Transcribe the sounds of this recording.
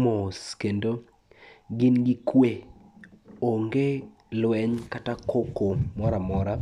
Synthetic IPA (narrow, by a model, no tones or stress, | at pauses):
moskendo | ɡɪnɡɪkwe | oŋɡe | lwɛɲkatakokomɔɾamɔɾa